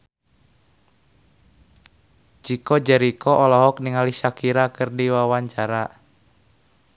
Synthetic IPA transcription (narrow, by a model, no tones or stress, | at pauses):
d͡ʒikɔd͡ʒɛɾikɔʔɔlɔɦɔk̚niŋalisakiɾakɨrdiwawaɲt͡ʃaɾa